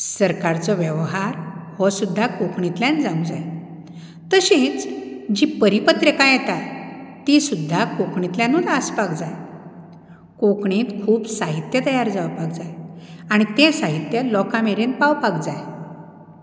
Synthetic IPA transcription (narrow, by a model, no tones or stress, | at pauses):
səɾkaɾt͡sɔʋjəʋɦaɾhɔsud̪ʱːakokɳit̪ljãnd͡zaũd͡zaj | t̪əɕĩt͡sd͡ʑipəɾipət̪ɾəkãjɛt̪at̪isud̪ʱːakokɳit̪ljãnuːnaspakd͡zaj | kokɳĩːt̪kʰuːpsaɦit̪jət̪əjaɾd͡zawpak̚d͡zajaɽ̃it̪ẽsaɦit̪jəlɔkãmeɾenpawpakd͡zaj